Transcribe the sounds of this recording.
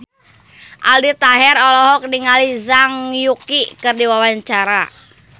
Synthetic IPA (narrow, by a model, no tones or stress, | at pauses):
ʔaldit̪aɦɛrɔlɔɦɔk̚diŋalizaŋjukikɨrdiwawaɲt͡ʃaɾa